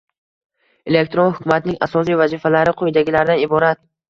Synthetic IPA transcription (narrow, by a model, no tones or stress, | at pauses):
e̞lek̚ʲt̪ɾonhʊkʰʲʊmat̪ɪnɪŋasɒsijvazifalaɾɪqʰojd̪aɡʲɪlaɾd̪anɪbɒɾat̪̚